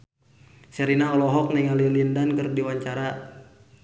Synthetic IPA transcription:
sɛɾinaɔlɔɦɔk̚nɛŋalilindankɨrdiwaɲt͡ʃaɾa

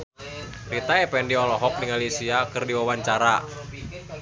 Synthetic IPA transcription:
rit̪aɛpɛndiɔlɔɦɔk̚diŋalisiakɨrdiwawaɲt͡ʃaɾa̰

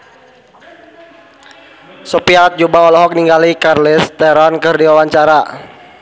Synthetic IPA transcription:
sɔpiat̪̚d͡ʒubaɔlɔɦɔk̚niŋɡalikarlɪst̪ɛɾɔnkɨrdiwawaɲt͡ʃaɾa

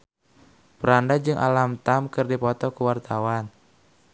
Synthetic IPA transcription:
pəɾandad͡ʒɨŋʔa̰lamt̪amkɨrdipɔt̪ɔkuwart̪awan

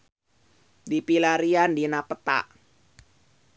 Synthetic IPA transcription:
dipilaɾiandinapət̪a̰ʔ

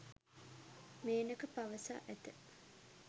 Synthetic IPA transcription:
meːnəkəpaʋəsa̰ːʔæt̪ə

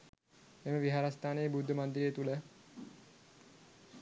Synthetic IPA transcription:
eməʋiɦaɾast̪aːnejːbud̪ʱːəmand̪iɾejːt̪ulə

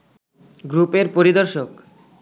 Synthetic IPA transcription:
ɡɾupeɾpoɾid̪oɾʃok

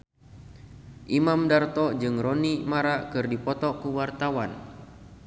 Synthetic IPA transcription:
ʔimamdart̪ɔd͡ʒɨŋrɔnimaɾakɨrdipɔt̪ɔkuwart̪awan

